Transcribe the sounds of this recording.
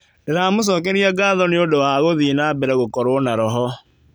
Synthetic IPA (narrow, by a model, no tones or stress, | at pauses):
deɾaːmos̬ɔkɛɾiaɡaðɔneodowaɣoðinabɛɾɛɣokɔɾonaɾɔɦɔ